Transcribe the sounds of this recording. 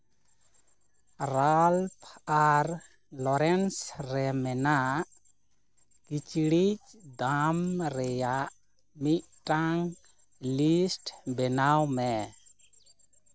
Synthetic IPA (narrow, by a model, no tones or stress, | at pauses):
ɾalpʰaɾ | lɔɾɛnsɾɛmɛnaʔ | kit͡ʃɽit͡ʃd̪amɾɛjaʔ | miʔ̚ʈaŋ | lisʈbɛnawmɛ